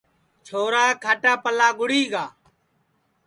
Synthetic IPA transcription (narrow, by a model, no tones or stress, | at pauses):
t͡ʃʰoːɾaːkʰaːʈaːpəlaːɡʊɽiːɡaː